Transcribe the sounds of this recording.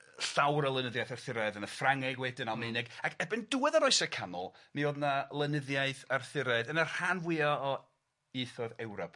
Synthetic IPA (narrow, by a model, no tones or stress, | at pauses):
sawɾəlˠənəðjajθərθɪɾɛðənəfraŋɪɡwɛdɪnalˠmejnɪɡakʰɛbɨnduːwɛðaɾɔɨsakʰanɔ̰lˠmioːdnalˠənəðjaɨθərθɪɾɛðənər̥anvwɪɔː | iθɔðɛwɾɔp